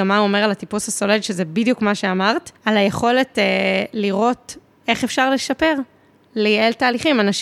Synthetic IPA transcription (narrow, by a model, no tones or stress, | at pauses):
amauome̞ʁalatipusaso̞ledʃezebidjukmaʃeamaʁtalajeχo̞le̞teliʁo̞t | eχe̞fʃaʁleʃape̞ʁ | lieltaːliχimanaʃ